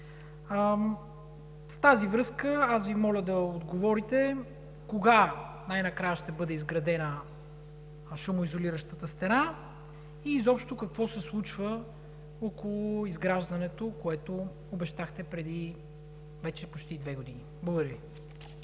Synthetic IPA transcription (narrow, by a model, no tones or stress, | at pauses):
ft̪azivɾɤskəasvimɔlʲəd̪ɐod̪ɡovɔɾit̪ɛ | koɡanajnɐkɾajəʃt̪ɛbɤd̪ɛizɡɾɐd̪ɛnə | ʃumʊizoliɾəʃt̪ət̪əst̪ɛna | izɔpʃt̪okɐkvɔsɛslˠut͡ʃvə | okolˠʊizɡɾaʒd̪ɐnɛt̪okoɛt̪o | obɛʃt̪axt̪ɛpɾɛd̪i | vɛt͡ʃɛpot͡ʃt̪id̪vɛɡod̪iniblˠoɡʊd̪ɾvi